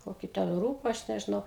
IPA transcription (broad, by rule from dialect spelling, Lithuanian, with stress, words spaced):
ˈkoːkʲiː tʲɛn ˈruːbɐ ˈɐʃ nʲɛʒʲɪˈnɐʊ